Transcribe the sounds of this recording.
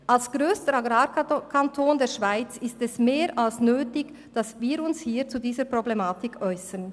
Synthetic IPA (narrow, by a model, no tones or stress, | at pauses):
ʔalsɡ̥ʁøːstəaɡɾaːɾkʰantʰoːndeːʃv̥aɪt͡sɪstɛsmeːɾʔalsnøːtɪç | d̥asviːɾʊnshiːt͡sudiːzəpʁ̥oblɛmaːtɪkʰʔɔʏsən